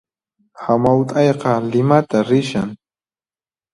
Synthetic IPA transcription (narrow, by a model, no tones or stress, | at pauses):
hamawt̪ʼɑjqɑlɪmat̪aɾɪʃaŋ